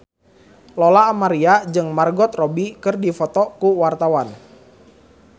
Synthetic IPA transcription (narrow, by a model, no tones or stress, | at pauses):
lɔlaːmaɾiad͡ʒɨŋmarɡɔt̪rɔbikɨrdifɔt̪ɔkuwart̪awan